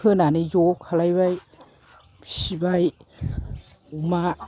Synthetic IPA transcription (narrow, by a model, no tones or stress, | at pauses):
ɯnanijokʰalajβaj | sibaj | uma